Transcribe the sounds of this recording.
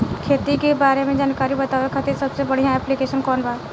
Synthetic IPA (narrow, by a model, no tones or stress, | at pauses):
kʰeːt̪ikebaːɾemẽd͡ʒaːnkaːɾibɐt̪aːʋekʰət̪iɾsɐbsebɐɽ̤ijãɛːplikeːʃənkɔːnbaːɾ